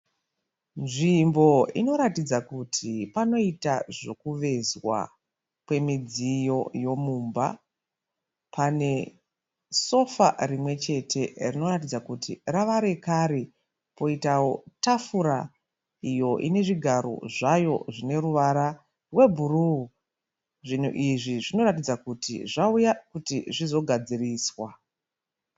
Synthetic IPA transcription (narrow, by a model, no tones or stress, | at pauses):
nʐimbo̞ḭno̞ɾatid͡zakutʰipano̞itaʐo̞kuʋe̞zwa̰ | pwe̞mid͡zijo̞jo̞muːmba̰ | pʰane̞ | so̞fa̰rimwe̞t͡ʃe̞tʰe̞rino̞ratid͡zakutʰiraʋaɾe̞kaɾi | po̞itawo̞tafuɾa | ijo̞ʔine̞ʐiɡʱaɾo̰ʐajo̞ʐine̞ɾuʋaɾa | rwe̞bʱuruu | ʐin̤ṵʔiʐiʐino̞ɾatid͡zakutḭʐaujakutiʐizo̞ɡʱad͡ziriːswa